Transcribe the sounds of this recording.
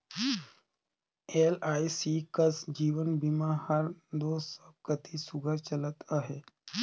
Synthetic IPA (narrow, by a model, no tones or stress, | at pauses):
elajsikəsd͡ʑiːʋənbimahaɾd̪osəkət̪isuɡʱəɾt͡ʃələt̪aɦe